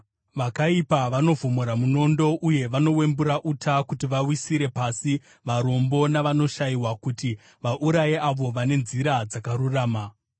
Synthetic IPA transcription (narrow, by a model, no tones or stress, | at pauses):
ʋakaipaʋano̞vomoɾamuno̞ndo̞ʔuje̞ʋano̞we̞mbuɾaʔutʰakutiʋawisiɾe̞pasi | ʋaɾo̞mbo̞naʋano̞ʃaiwakuti | ʋaʔuɾajeʔaʋo̞ʋane̞nziɾad͡zakaɾuraːma